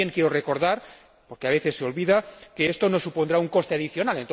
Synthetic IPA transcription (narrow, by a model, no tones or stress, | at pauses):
eŋkjeɾoreko̞ɾð̞aɾ | po̞ɾkeaβe̞θe̞sːeo̞lβiðake̞est̪o̞no̞supo̞nd̪ɾauŋkost̪eaðiθjo̞nalent̪